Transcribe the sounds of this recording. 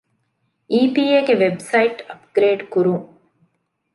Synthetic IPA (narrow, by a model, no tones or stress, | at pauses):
iːpiːeɡeʋebsɐiʈɐpɡ̥ɾeːɖkuɾuŋ